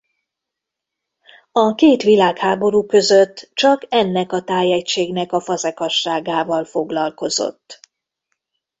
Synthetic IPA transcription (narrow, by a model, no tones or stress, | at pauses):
ɒkeːt̪ʋilaːkhaːbo̞ɾuːkø̞zøt̪ːt͡ʃɒkɛnːɛkɒt̪aːjɛcʃeːɡnɛkɒfɒzɛkɒʃːaːɡaːvɒlfo̞ɡlɒlko̞zo̞̰t̪ː